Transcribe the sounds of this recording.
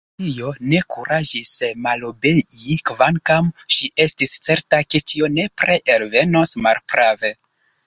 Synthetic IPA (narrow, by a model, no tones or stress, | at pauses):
tijo̞ne̞kuɾʔaʒismalo̞be̞ɟikvaŋkamʃiʔe̞stist͡se̞ɾtake̞t͡ʃio̞ne̞pɾe̞ʔeɾve̞nosmalpɾave̞